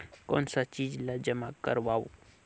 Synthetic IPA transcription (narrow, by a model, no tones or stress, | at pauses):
kɔ̰ːnsat͡ʃiːd͡ʒlad͡ʒəmakə̰ɾʋaːo̰